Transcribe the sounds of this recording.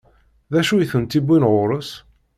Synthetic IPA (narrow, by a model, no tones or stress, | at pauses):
ðæʃujθənt̪ibinʁʊɾəs